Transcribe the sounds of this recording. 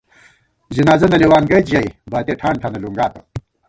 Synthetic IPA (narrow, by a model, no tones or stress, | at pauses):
zinaːzɐnɐliwaːnɡɐjt͡ɕʑɐjbaːt̪eʈʰaːɳʈʰɐnɐluŋɡaːt̪ɐ